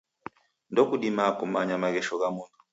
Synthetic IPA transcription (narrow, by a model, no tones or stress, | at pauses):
ndɔkuɗimakumaɲamaɣɛʃɔɣamuntu̥